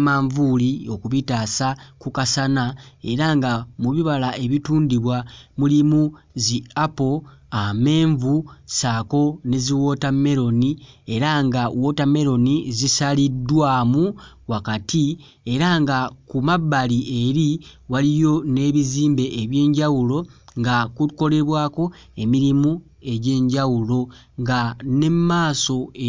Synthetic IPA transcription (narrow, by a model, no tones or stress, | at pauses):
maːɱvulio̞kuβitaːsakukasanae̞ɾaŋɡamuβiβalae̞βituːndiβwamulimu | ziapo̞ame̞ːɱvusaːko̞ne̞ziwo̞tame̞ɾo̞nie̞ɾaŋɡawo̞tame̞ɾo̞nizisalidːwaːmu | wakati | e̞ɾaŋɡakumaβːalie̞ɾiwalijo̞ne̞ːβiziːmbe̞ʔːβje̞ːɲɟawulo̞ŋɡakuko̞le̞βwaːko̞ | e̞miɾimu | e̞ɟe̞ːɲɟawulo̞ | ŋɡane̞mmaːso̞